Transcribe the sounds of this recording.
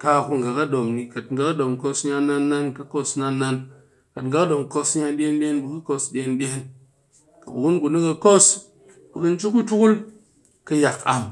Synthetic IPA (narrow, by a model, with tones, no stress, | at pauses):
ka˧ku˦ŋ˨ɡa˨kɐ˦ɗo˨mni˨kɐ˨tŋ̩ɡa˦kɐ˦ɗo˨mko˧sɲa˧na˦nːa˦nkɐ˦ko˦sna˦nːa˦n | kɐ˨tŋɡa˦kɗo˨mko˧sɲa˧ɗʲe˦nbʲe˦nbu˨kɐ˦ko˧sɗʲe˧˦nbʲe˦n | kɐ˨bu˨wu˦nku˨nɨ˦kɐ˧ko˦s | ku˨kɨ˧n̩˦t͡ʃu˦ku˦tu˦ku˦l | kɐ˧ja˨ka̰˨m